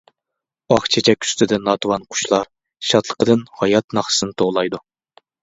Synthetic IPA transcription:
ɑχt͡ʃʰet͡ʃʰɛkʲy̥st̪ʰɪd̪ɛnɑt̪wɑnqʰʊ̥ʃlˠɑɾ | ʃɑt̪ʰlˠə̥qəd̪ɨnhɑjɑt̪nɑχsɨnɨt̪ʰoʁlˠɑjd̪u

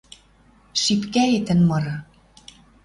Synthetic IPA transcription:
ʃipkæet̪ɘ̆nmɤ̆ɾɤ̆

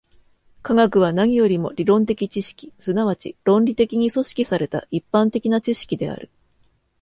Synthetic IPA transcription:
kaɡakɯ̟β̞anaɲ̟ijo̞ɾʲimo̞ɾʲiɾõ̞nt̪̬e̞kʲit͡ɕiɕi̥kʲi̥sɨnaβat͡ɕiɾõ̞nɾʲit̪e̞kʲiɲ̟iso̞ɕi̥kʲisaɾe̞t̪a̰ʔipːãnt̪e̞kʲinat͡ɕiɕi̥kʲid̪e̞a̰ɾɯ̟

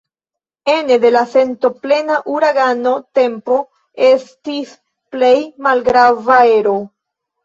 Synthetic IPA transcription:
e̞ne̞de̞lase̞nto̞ple̞naʔuɾaɡano̞te̞mpo̞ | e̞stis | ple̞jmalɡɾavae̞ɾo̞

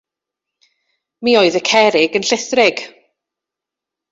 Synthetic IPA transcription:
mioɨðəkʰɛɾɪɡənɬɪθrɪɡ̥

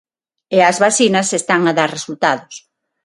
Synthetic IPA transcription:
eɐzβasinɐsest̪aŋaðaɾresult̪aðʊs

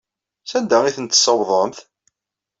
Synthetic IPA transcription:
sænd̪æiθənt̪ːə̥səwðˤəmθ

